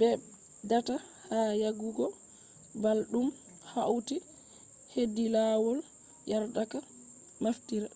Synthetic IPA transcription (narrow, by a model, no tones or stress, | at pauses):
bɛ | data | hajaɡuɡɔ | balɗum | hawti | hedːilawɔl | jaɾdaka | maftiɾa